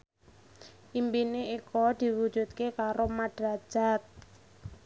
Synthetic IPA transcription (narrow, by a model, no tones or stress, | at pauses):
ʔimpineikɔd̪̥i̤wu̥d͡ʒ̥ṳt̪̚kekaɾomaɖ̥ɾḁʒ̥at̪̚